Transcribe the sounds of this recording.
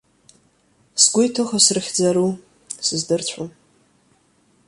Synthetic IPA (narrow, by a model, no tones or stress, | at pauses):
sɡʷʊjtʰoχasrɨχʲd͡zaɾu | sɨzdɨrt͡ɕʷʰom